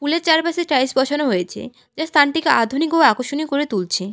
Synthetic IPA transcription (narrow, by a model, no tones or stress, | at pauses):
fuleɾt͡ɕaɾpaseʈɾajsbɔt͡ɕʰonoɦojet͡ɕʰḛ | d͡ʑast̪ʰanʈikead̪ʱunikoakoʃonikoɾet̪ult͡ɕʰe